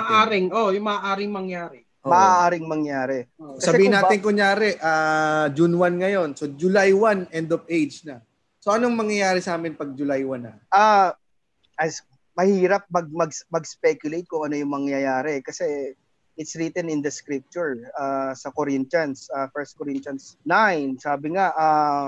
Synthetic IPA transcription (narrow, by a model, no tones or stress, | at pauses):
ʔaːɾɪŋojʊŋmɐaʔaːɾɪŋmɐŋjaːɾɛ | ʔomɐʔaʔaːɾɪŋmɐŋjaːɾɛkɐsɐbɛihɪnaːɪnkʊŋjaːɾɛʔaːd͡ʒunwanŋɐjo̞nsod͡ʒʊlajwanɛnd̪opejd͡ʒnɐ | soʔɐnoŋmɐŋjɐjaːɾɛsaːmɪnpɐɡ̚d͡ʒʊlajwanɐ | ʔaː | ʔɐs | mɐhiːɾɐp̚mɐɡ̚mɐɡsmɐɡspɛkjʊlejt̪̚kʊŋʔɐno̞jʊŋmɐŋjɐjaːɾɛkɐsɛ | ʔɪt̪sɾit̪ɛnɪnd̪ɐskɾɪp̚t͡ʃʊɹaːsɐkoɾɪnt̪ɐnsʔafɛɹst̪̚koɾint̪jɐnsnajnsaːbɪŋaʔa